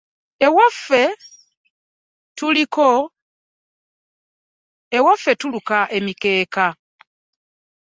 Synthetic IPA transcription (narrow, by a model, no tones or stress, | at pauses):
ewafe | tuliko | ewafːe̞tulukaʔe̞mike̞ːka